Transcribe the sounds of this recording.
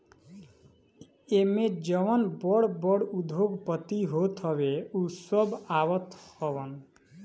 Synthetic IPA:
emed͡ʒɔmɔnbɔɽbɔɽud̪ʱoɡpɔt̪iɦot̪ɦɔβeusɔbawɔt̪hɔbɔn

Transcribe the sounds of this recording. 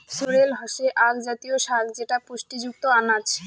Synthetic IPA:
soɾelɦɔʃeʔaɡd͡ʑat̪ioʃakd͡ʑeʈapuʃʈid͡ʑuk̚t̪oanat͡ɕʰe̥

